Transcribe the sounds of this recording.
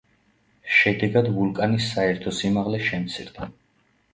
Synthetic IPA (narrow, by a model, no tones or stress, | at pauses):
ʃɛd̪ɛɡad̪vulˠkʼanisːaɛɾt̪ʰɔsimaʁlɛʃɛmt̪sʰiɾd̪̥a